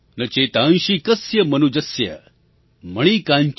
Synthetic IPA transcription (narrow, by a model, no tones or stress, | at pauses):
nɐt͡ʃet̪ãnʃikɐsjɐmɐnud͡ʒɐsjɐ̰ | mɐɽ̃ikãɲt͡ʃ